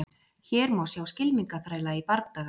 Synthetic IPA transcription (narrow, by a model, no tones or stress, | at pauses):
çɛːɾmaːwsjaːwscɪlmiŋkaθɾaːjlaipaɾt̪t̪aːɣ